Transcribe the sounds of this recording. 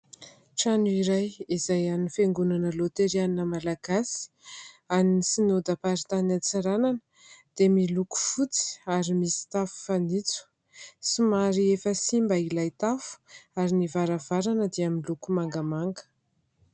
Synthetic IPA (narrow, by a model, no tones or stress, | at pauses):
ʈ͡ʂanuiɾajizajanifeŋɡunanəlot̪eɾianinəmalaɡasi̥ | aninisinod̪apaɾit̪anat͡saɾananə | d̪̥emiluku̥fut͡si̥aɾimisi̥t̪afu̥fanit͡su̥ | simaɾiefəsimbailajt̪afu̥aɾinivaɾavaɾanəd̪eaminlukumaŋɡamaŋɡə̥